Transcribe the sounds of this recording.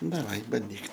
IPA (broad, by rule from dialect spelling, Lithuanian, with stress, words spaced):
dɐˈʋɐɪ bɐnʲˈdʲiːk